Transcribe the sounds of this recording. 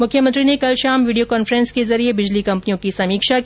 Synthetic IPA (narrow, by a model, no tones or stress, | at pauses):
mʊkʰːjəmɐ̃nt̪ɾinekɐlʃaːmʋiːɖijokɔːnfɾə̃nskezɐɾiebɪd͡ʒlikɐ̃mpnijõkisɐmiːkʃak